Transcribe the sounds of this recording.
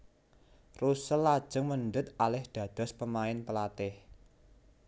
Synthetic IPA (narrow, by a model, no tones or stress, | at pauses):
rusəlːad̥ʒ̥əŋmənd̪ət̪̚alɪhd̪̥ä̤d̪̥ɔ̤spəmaɪnpəlat̪ɪh